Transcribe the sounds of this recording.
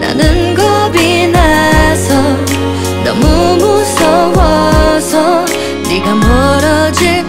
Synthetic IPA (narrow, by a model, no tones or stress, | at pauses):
na̰nɯnɡʌbinasʰʌ | nʌmumusʌwʌsʰʌ | niɡamʌɾʌd͡ʑi